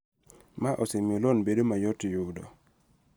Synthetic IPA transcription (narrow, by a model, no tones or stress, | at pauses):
maʔosemiolɔnbedomajɔtijudɔ̰